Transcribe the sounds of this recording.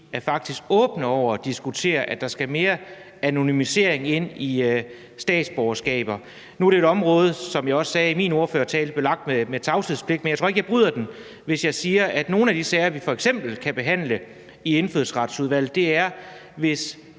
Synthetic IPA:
æɐfɑ̈ɡ̥̚d̥isɡ̥ɔ̽ːb̥nəɒʊ̰ɐɒd̥isɡ̥ut͡sʰe̝̰ːɐʔæd̥ɑ̈sɡ̥æme̝ːɐ | æno̝nymise̝̰ɐ̰eŋe̝n̰i | sd̥ɛ̰ːd̥sb̥ɒʊɐsɡ̥ɛ̰ːb̥ɐ | nuæɾ̥eeɾɒ̽mʁɔ̽ːð̞ˠsɒ̽mjɑ̈ɪɒ̽ssɛːimiːno̝ɐføːɐt͡sʰɛ̰ːld̩b̥lelɑ̈ɡ̥̚d̥meme̥t͡sʰɑ̈ʊsʰiðˠspʰle̝ɡ̥̚menjt͡sʰo̝ɐeɡ̥əjɑɪb̥ʁyð̰ˠɐd̥en | ʋe̝sjɑ̈ɪsiːɐʔæd̥no̝ːn̩æd̥isɛɪɐʋifɒ̽eɡ̥sem̰b̥l̩kʰæb̥e̝ɦæn̰lə | ie̝nføðˠsʁɑ̈d̥suðˠʋæl̰̩ˠd̥e̝æɐ | ʋe̝s

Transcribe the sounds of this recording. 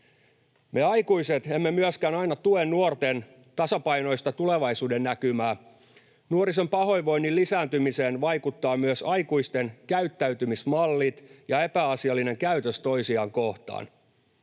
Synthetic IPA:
me̞ɑjkuiset̪emːemyøskæːnɑinɑt̪uennuort̪en | t̪ɑsɑpɑino̞ist̪ɑt̪uleʋɑisuːdenːækymæː | nuoɾisempɑho̞jʋo̞inːilisæːnt̪ymiseːnʋɑikut̪ːɑːmyøsɑikuist̪enkæyt̪ːæyt̪ymismɑlːit̪jɑepæɑsiɑlːine̞ŋkæyt̪øst̪o̞isiɑːŋko̞ht̪ɑ̰ːn

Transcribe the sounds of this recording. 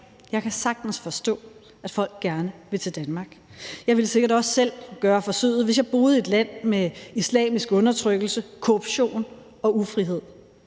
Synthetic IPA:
jɑ̈ɪkʰæsɑ̈ɡ̥̚d̥n̩sfɒ̽sd̥ɔ̰̽ː | æd̥fɒ̽l̰ɡ̥ːæɐnəʋe̝t͡sʰe̝ld̥ænmɑ̈ɡ̥ | jɑ̈ɪʋeləse̝ɡ̥ɐɾɒ̽sːel̰ɡ̥ɶːɐfɒ̽søð̰̩ˠʋe̝sjɑ̈ɪb̥o̝ːð̩ˠe̝d̥læn̰meislɛ̰ːmisɡ̥ɔ̽nɐt͡sʰʁœɡ̥l̩səkʰo̝ʁub̥ɕo̝̰ːn | ɒ̽ufʁiɦe̝ð̰ˠ

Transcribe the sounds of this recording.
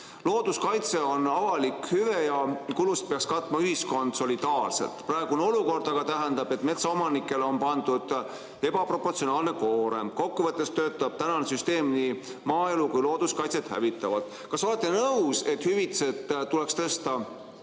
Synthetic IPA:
lo̞ːd̪̥uskɑjt̪se̞o̞nɑvɑlikhyvejɑkulust̪̚peɑkskɑt̪ːˑmɑyɦisko̞nd̪̥so̞lid̪̥ɑːrsḛlt̪prɑeɡ̥uono̞luko̞rd̪̥ɑɡ̥ɑt̪æɦænd̪ɑb̥e̞t̪ːˑme̞t̪sɑo̞mɑnikːˑe̞leo̞npɑnd̪ud̪̥ | e̞bɑpro̞pːort̪sionɑːlneko̞ːɾe̞̰mko̞kːuvɤt̪ˑːe̞st̪ø̞ːt̪ːˑɑb̥̚t̪ænɑnesyst̪e̞ːmnimɑːe̞lukujlo̞ːd̪̥uskɑjt̪se̞t̪hæ̰vit̪ːˑɑvɑd̪ˑ | kɑso̞let̪ˑːe̞nɤwse̞t̪hyvit̪se̞t̪ːule̞kst̪ɤst̪ɑ

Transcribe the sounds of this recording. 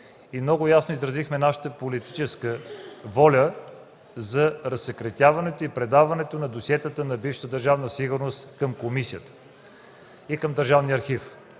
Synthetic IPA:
imnɔɡʊjasnoizɾɐzixmɛnaʃə̥t̪əpolit̪it͡ʃɛskəvɔlʲə | zɐɾɐsɛkɾɐt̪ʲavɐnɛt̪oipɾɛd̪avɐnɛt̪onɐd̪osijɛt̪ət̪ənɐbifʃə̥t̪əd̪əɾʒavnəsiɡʊɾnost̪kəmkomisiət̪ə̥ | ikəmd̪əɾʒavniɐɾxif

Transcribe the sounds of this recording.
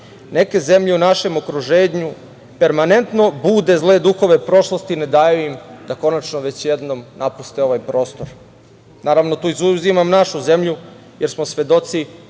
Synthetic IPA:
ne̞ke̞ze̞mʎeunaʃe̞mokɾuʒeːɲu | pe̞ɾmane̞nt̪no̞buːd̪e̞zlˠe̞d̪uxo̞ʋe̞pɾo̞ʃlo̞st̪ined̪ajuimd̪ako̞nat͡ʃnoʋe̞t͡ɕjed̪nomnapust̪eo̞ʋaːjpɾo̞ːst̪oɾ | naːɾaʋno̞t̪uːizuzimamnaʃuze̞mʎu | jeɾsmosʋe̞d̪o̞t̪si

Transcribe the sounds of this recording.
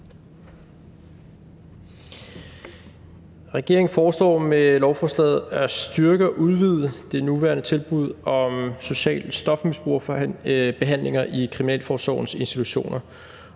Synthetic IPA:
ʁɛɡ̥e̝ɐeŋ̩fɒːslɒ̰ːmelɒʊfɒslɛːð̩ˠæsd̥ɶɐɡ̥əʔuð̞ˠʋið̞ˠəd̥e̝nuʋæːɐnət͡sʰe̝lb̥uð̞̰ˠɒ̽mso̝ɕɛ̰ːlsd̥ɒ̽fmisb̥ʁuɐ̰ | b̥e̝ɦæn̰lʔe̝ŋɐʔikʰʁiminɛ̰ːlfɒːsɒ̰ʊn̩se̝nsd̥it͡sʰuɕo̝̰ːnɐ

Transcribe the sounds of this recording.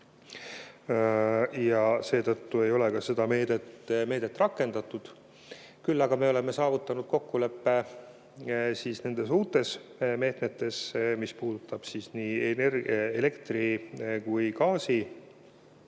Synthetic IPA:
jɑse̞ːt̪ɤt̪ːue̞jo̞lekɑse̞d̪̥ɑme̞ːd̪et̪me̞ːd̪̥et̪ːˑrɑkːˑe̞nd̪̥ɑt̪ːˑud̪̥ | kylːɑɡ̥ɑme̞o̞le̞me̞sɑːvut̪ːˑɑnud̪̥̚ko̞kːule̞pːe̞ | siːsne̞nd̪̥e̞suːt̪ːˑe̞sme̞ːt̪met̪ːˑe̞smispuːd̪ut̪ːˑɑb̥sisniːenerele̞kt̪rikujkɑːsi

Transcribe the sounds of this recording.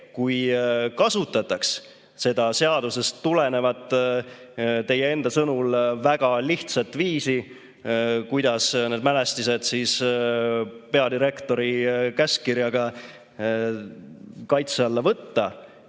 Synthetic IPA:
kujkɑsut̪ːɑt̪ːˑɑks | se̞d̪̥ɑse̞ɑd̪̥use̞st̪ːulene̞vɑd̪̥ | t̪e̞jee̞nd̪ɑsɤnulvæɡ̥ɑliht̪sɑt̪ːˑviːsi | kujd̪̥ɑsne̞ːd̪mæle̞st̪ise̞d̪̥siːs | pe̞ɑd̪iɾe̞kt̪o̞ɾikæskirjɑɡ̥ɑ | kɑjt̪seɑlːɑvɤt̪ːɑ

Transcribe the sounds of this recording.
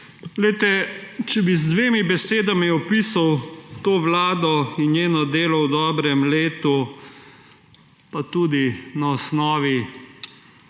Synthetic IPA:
lɛjt̪ɛt͡ʃɛbizd̪ʋeːmibɛseːd̪amiɔpisawt̪oːʋlaːd̪ɔinjeːnɔd̪eːlɔwd̪ɔːbɾɛmleːt̪u | pat̪uːd̪inaɔsnɔːʋi

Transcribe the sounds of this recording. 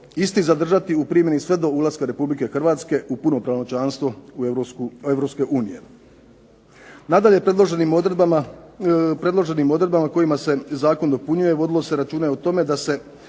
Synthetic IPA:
ist̪izad̪r̩ʒat̪iupɾiːmje̞nisʋe̞d̪o̞ulˠaskaɾe̞publike̞xr̩ʋaːt̪ske̞ʔupuno̞pɾaʋonot͡ʃaːnst̪ʋo̞uevɾo̞pske̞ʔuːnije̞ | nad̪aʎe̞pɾed̪loʒnim | pɾe̞d̪lˠo̞ʒe̞nimo̞d̪ɾe̞d̪bamako̞jimase̞zaːko̞nd̪o̞puɲuje̞ʋo̞d̪ilo̞se̞ɾat͡ʃuːneot̪o̞me̞d̪ase̞

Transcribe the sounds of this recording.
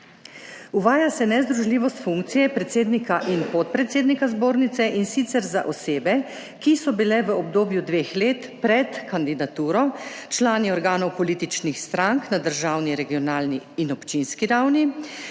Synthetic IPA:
uʋaːjasɛnɛzd̪ɾuʒliːʋɔst̪fuŋk̚t̪sijɛpɾɛt̪seːd̪nikaʔinpɔt̪̚pɾɛt̪seːd̪nikazboːɾnit̪sɛʔinsit̪sɛɾza̰ʔɔseːbɛ | kisɔbilɛʋəɔbd̪oːbjud̪ʋeːxleːt̪pɾɛt̪kand̪id̪at̪uːɾɔt͡ʃlaːniɔɾɡaːnɔwpɔliːt̪it͡ʃnixst̪ɾaŋknad̪əɾʒaːwniɾɛɡijɔnaːlniːnɔpt͡ʃinskiɾawni

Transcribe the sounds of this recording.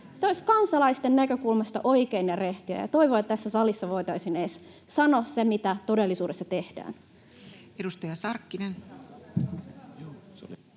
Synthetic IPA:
seosʲkɑnsɑlɑist̪enːnækø̞kulmɑst̪ɑʔoikeinereht̪iæ̰jɑ̰t̪o̞iʋoːet̪ːt̪æsːæsɑlisːɑʋo̞it̪ɑisineːs | sɑnossemit̪æt̪odelːisuːdesːɑt̪e̞hd̥æ̰ːn | edust̪ɑjɑsɑrkːinen

